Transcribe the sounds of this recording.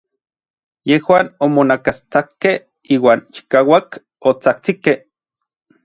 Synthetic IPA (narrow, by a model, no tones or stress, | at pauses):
jehwaːnomonakast͡sakːeh | iːwaːnt͡ʃi̥kaːwak | ot͡sakt͡sikeh